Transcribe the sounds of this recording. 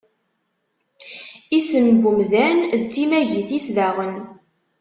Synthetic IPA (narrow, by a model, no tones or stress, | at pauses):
isənɡumðænðt͡sːimæʝiθisðæʁən